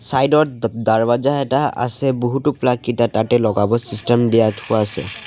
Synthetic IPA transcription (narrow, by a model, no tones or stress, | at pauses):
sajdɔɹdaɹbazaɛtaa̰sɛboɦutʊplakːitatatɛlɔɡabɔsistɛmdijatʰʊasɛ̰